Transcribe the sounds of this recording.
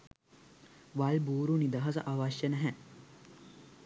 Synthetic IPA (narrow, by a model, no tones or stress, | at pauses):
ʋalbuːɾunid̪ɐɦɐsɐ̰ʔaʋaːʃjɐnæɦɛ